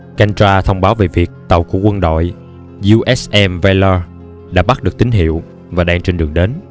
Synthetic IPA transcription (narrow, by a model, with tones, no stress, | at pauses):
ka˧ŋt͡ɕaː˧t̪ʰə˧wŋ͡mɓaː˨˦wve˨˩vi˨˩ək̚t̪ə˨˩wku˧˩əkwə˧nɗo̰˧˨j | zu˧ʔɛ˦˥sʔɛ˧mvɛ˧ləː˧ | ɗa̰ː˧˥ɓa˦˥ɗɨ˨˩ək̚t̪ï˨˦ŋ̟ɦḭ˧˨əw | vaː˨˩ɗaː˧ŋt͡ɕe˧nɗɨ˨˩əŋɗe˨˦n